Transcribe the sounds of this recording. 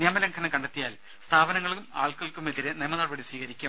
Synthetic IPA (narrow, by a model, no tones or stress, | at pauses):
nijɐmɐlɐŋkʰɐnɐkɐɳɖɐt̪ːijaːl | st̪ʰaːbɐnɐŋːɐɭuma̰ːɭkɐɭkume̞ðiɾenejmɐnɐːrbɐɽisʋiːɣɐɾikʲːɐm